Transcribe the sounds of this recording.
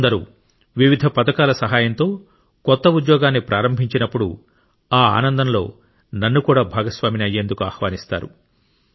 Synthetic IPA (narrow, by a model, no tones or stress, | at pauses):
nd̪ɐɾṵː | ʋiʋid̪ʱɐpɐt̪ɐkaːlɐsɐɦaːjɐnt̪o̞ː | kɔt̪ːɐud̪jɔːɡaːnːipɾaːɾɐmbʱiɲt͡ʃinɐpːuɽṵ | aːa̰ːnɐnd̪ɐnlo̞ː | nɐnːukuːɽaːbʱaːɡɐsʋaːminiɐje̞ːnd̪ukuaːhʋaːnist̪a̰ːɾṵ